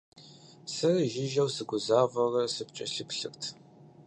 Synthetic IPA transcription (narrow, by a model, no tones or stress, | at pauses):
sɐrʒɪʒɐwsɨɡʷʊzaːvɐrɐsɨpt͡ʃʼɐ̰ɬɨpɬɨktʰ